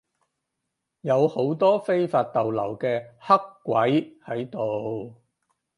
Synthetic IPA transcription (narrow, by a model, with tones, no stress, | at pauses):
jɐ˨˧who˨˥wt̪ɔː˥fe˥jfaː˧t̚t̪ɐ˨wlɐ̰˨˩wkɛː˧hɐ˥kːʷwɐ˨˥jhɐ˨˥jt̪o˨w